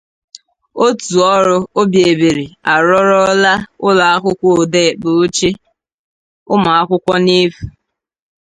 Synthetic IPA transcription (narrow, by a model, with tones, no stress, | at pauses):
o˦tu˨ɔ˦ɾʊ˦o˦bje˨be˨ɾi˨a˨ɾɔ˦ɾɔ˦la˦ʊ˦la˨a˦kʷʊ˦kʷɔ˦˨de˦˨k͡pʊ˨o˦t͡ʃe˦ | ʊ˦ma˨a˦kʷʊ˦kʷɔ˦ne˦fu˨